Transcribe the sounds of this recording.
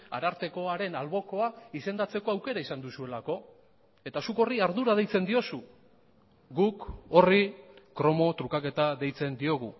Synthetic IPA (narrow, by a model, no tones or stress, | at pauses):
a̰ɾaɾt̪e̞ko̞aɾe̞nalβo̞ko̞aise̞nd̪at͡se̞ko̞awke̞ɾaisand̪usue̞lako̞ | e̞t̪asuko̞riaɾðuɾað̞e̞jt͡se̞nd̪io̞su | ɡuko̞rikɾo̞mo̞t̪ɾukake̞t̪aðe̞jt͡se̞nd̪io̞ɣ̞u